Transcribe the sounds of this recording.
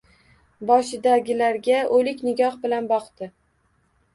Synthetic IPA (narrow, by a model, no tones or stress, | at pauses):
bɒʃɪd̪aɡʲɪlaɾɡʲaolɪkʲnɪɡʲɒhbɪlanbɒqt̪ɪ